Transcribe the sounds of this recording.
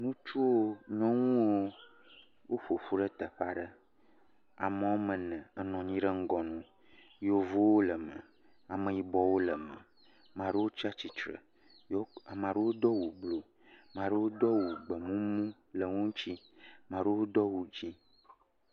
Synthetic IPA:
nũ˦t͡ʃu˦wo˦ɲɔ̃˦ŋũ˦wo˦ | wʔo˦ɸo˨ɸu˦ɖə˦t̪ə˨ɸa˦ɖə˦ | a˨mə˨wo˦mə̃˨nə̃˨ə˦nɔ̃˨ɲĩ˦ɖə˦ŋ̩˦ɡɔ˨nũ˦ | jo˨vo˦wo˦lə˨mə̰̃˨ | a˨mə̃˨ji˨bɔ˨wo˦lə˨mə̰̃˨ | mã˨ɖə˦wo˦t͡ʃa˦t͡ɕi˨t͡ʃɾə̰˨ | ja˨mã˨ɖə˦wo˦d̪ɔ˦wu˨ɡ͡blo˨ | mã˨ɖə˦wo˦d̪ɔ˦wu˨ɡ͡bə˨mũ˦mũ˦ | lə˨ŋũ˦ŋ˦t͡ɕi˦ | mã˨ɖə˦wo˦d̪ɔ˦wu˨d͡ʑi˦

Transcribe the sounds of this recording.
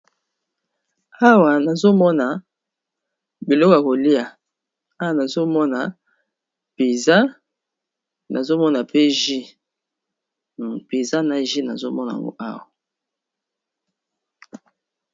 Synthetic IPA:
a˦wa˨na˨zo˦mɔ˦na˨ | bi˨lɔ˦kja˨ko˨li˦a˨ | a˦wa˨na˨zo˦mɔ˦na˨ | pe˨za˦ | na˨zo˦mɔ˦na˨pe˦ʒi˦˨ | pe˨za˦na˨ʒi˦na̰˨zo˦mɔ˦na˨a̰˨ŋɡo̰˦ʔa̰˦wa˨

